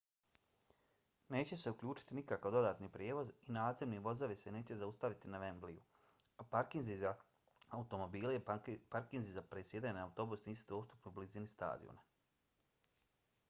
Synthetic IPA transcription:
ne̞ːt͡ɕe̞se̞ukʎuːt͡ʃi̥t̪inikakaʋd̪o̞d̪aːt̪nipɾjeːʋo̞zinaːd̪zemniʋo̞zoʋise̞ne̞ːt͡ɕe̞zaust̪aʋit̪inaʋe̞mblijṵ | apaɾkinziza | aut̪o̞mo̞biːlejepaɾkinzizapɾet̪sjed̪ajnaut̪o̞busniːsud̪o̞ːst̪upnoublizinist̪a̰ːd̪ḭo̰na

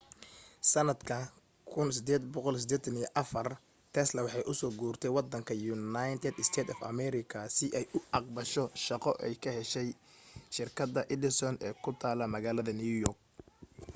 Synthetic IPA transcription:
sɐnɐd̪kʰɐ | kʰʊnsɪd̪ɛːd̪bɔqɔlsɪd̪ɛːt̪ʰɐnijɔʔɐfɐr | t̪ʰɛslɐwɑħɑjʔʊsɔːɡuːrt̪ʰɛjwɑd̪ɐŋkʰɐjʊnajnt̪ʰɛd̪ɪst̪ʰɛːt̪ɔfɐ̰mɛɾɪkʰɐsɪʔɛjʔʊɑqbɐʃɔʃɑqɔʔɛjkʰɐhɛʃɛjʃɪrkʰɐd̪ɐʔɪd̪ɪsɔnɛːkʰʊt̪ʰaːlɐmɐɣaːlɐðɐniujɔrk̚

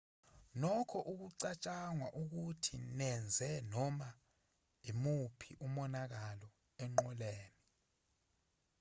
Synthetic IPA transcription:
nɔkʰɔʔuk̬uǀat͡ʃʼaŋwaʔuk̬utʰinɛnd͡zʱɛnɔma | imupʰiʔumɔnak̬alɔ | ɛŋ͡ǃɔleːni

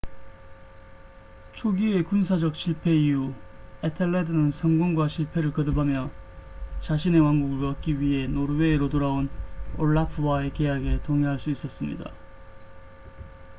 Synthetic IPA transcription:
t͡ɕʰoɡie̞kunsʰad͡ʑʌk̚ɕʰiɭpʰe̞iuetʰeɭːedɯnɯnsʰʌŋɡoŋɡwaɕʰiɭpʰe̞ɾɯɭkʌdɯbamjʌ | t͡ɕaɕʰine̞waŋɡuɡɯɭpʌk͈iɥiɦe̞noɾwe̞ːɾotoɾaonoɭːapʰɯwae̞kejaɡe̞toŋeɦaɭs͈uis͈ʌs͈ɯmɲḭda̰

